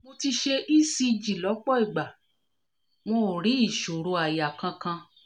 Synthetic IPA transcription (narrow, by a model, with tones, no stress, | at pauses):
mo˧ti˧ʃe˧ʔi˦si˧d͡ʒi˨lɔ˨˦k͡pɔ˦i˦˨ɡ͡ba˨ | w̃õ˦˨ɾi˨˦i˦˨ʃo˨ɾo˧a˨ja˨kã˧kã˧